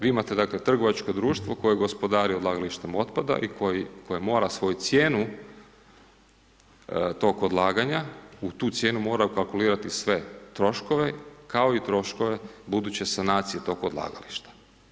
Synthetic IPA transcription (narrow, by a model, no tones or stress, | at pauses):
ʋiːimat̪e̞d̪aklet̪r̩ɡo̞ʋat͡ʃko̞d̪ɾuːʃt̪ʋoko̞jeɡospo̞d̪aːɾiod̪laːɡaliʃt̪emo̞t̪pad̪a̰ʔikʰojikʰojemo̞ːɾasʋo̞jut̪sjeːnu | t̪o̞kod̪lˠaːɡaɲaut̪uːt̪sje̞ːnumo̞ːɾaukalˠkuliːɾat̪isʋe̞t̪ɾo̞ʃkoʋe̞kao̞it̪ɾo̞ʃko̞ʋe̞bud̪ut͡ɕe̞sanaːt̪sijet̪o̞kod̪lˠa̰ːɡaliʃt̪ḁ